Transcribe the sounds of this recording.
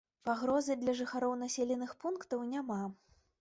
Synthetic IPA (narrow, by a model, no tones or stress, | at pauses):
paɣɾɔzɨd̪lʲɐʐɨxaɾɔwnasʲɛlʲɛnɨxpunkt̪ɐwnʲama